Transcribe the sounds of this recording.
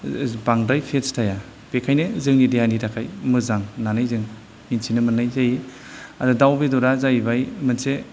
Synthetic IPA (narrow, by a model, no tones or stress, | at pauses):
baŋdajpʰestʰaja | pekʰajnezɯŋnidianiɾakʰajmɯzaŋnanajzɯŋ | minsʰinɯmɯnajzaji | adudawbedɔɾazajbajmɯnse